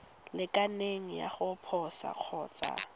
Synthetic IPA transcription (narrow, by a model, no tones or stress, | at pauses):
lɪkʼaneŋ̩ja̰χʊpʰɔsa̰k͡xʰɔːt͡sʼa̰